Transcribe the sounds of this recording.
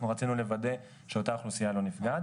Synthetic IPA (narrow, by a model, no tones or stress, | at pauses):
nuʁat͡sinule̞vade̞ | ʃeotaːχlusijalo̞nifɡad